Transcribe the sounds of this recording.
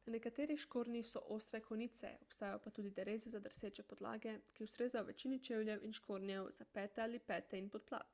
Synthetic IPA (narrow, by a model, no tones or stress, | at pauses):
nanɛkat̪eːɾixʃkoːɾnixsɔʔoːst̪ɾɛkʰoniːt̪sɛ̰ɔpst̪aːjajopat̪uːd̪id̪ɛɾeːzɛzad̪əɾseːt͡ʃɛpɔd̪la̰ːɡɛkiusɾeːzajɔʋɛt͡ʃiːnit͡ʃewljɛwʔinʃkʰoːɾnjɛwzapɛːt̪ɛalipɛːt̪ɛinpɔt̪̚pla̰ːt̪̚